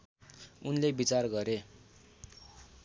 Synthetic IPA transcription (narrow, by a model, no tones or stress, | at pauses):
unlebit͡sarɡʌɾe